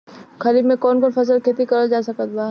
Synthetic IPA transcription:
xɐɾiːbmẽkɔːnkɔːnfʰɐs̬əlkʰeːt̪ikɐɾəd͡ʒaːsɐkət̪laː

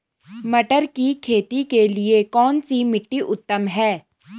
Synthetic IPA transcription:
mɐʈəɾkikʰeːt̪ikeliekɔːnsimɪʈːiʔʊt̪ːəmɦɛː

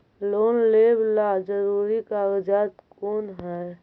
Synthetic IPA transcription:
loːnleːblad͡ʒəɾuɾikaɡd͡ʒaːt̪koːnɦɛ

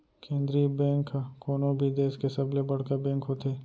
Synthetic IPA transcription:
kẽːnd̪ɾibɛ̃ːŋkakoːnõbʱid̪eːskesɐblebɐɽkabɛ̃ːŋkɦot̪eː

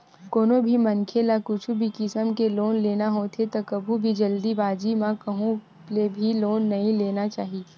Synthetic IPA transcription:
koːnobʱimɐnkʰelakʊt͡ʃʰubʱikɪsəmkeloːnleːnaɦot̪ʰet̪okɐbʱubʱid͡ʒɐld̪ibaːd͡ʒimãkɐɦũ | lebʱiloːnːɐɦĩleːnat͡ʃaːɦi

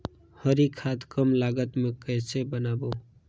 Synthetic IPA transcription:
həɾikʰaːt̪kəmlaːɡət̪mẽkɛːsebənaːboː

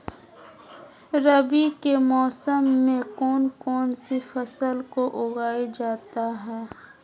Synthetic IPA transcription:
ɾəbikemɔːsəmːẽkɔːnkɔːnsifɐsəlkoʔʊɡaːed͡ʒaːt̪aɦɛː

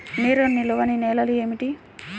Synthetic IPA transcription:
niːɾonːiloʋɐnineːlɐlueːmiʈi

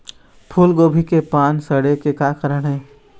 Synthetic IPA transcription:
pʰuːlɡoːbʱikepaːnsəɽekekaːkəɾəɽ̃ɦɛː

